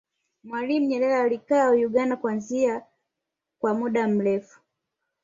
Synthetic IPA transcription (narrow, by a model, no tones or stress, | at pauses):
mwalim̩ɲɛlɛlaːlikaːjuɠandakwanzia | kwamuɗam̩ɾɛfu̥